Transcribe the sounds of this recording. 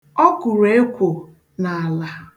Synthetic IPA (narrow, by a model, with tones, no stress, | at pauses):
ɔ˦kʊ˨ɾe˦e˦kʷo˨ | na˨a˨la˨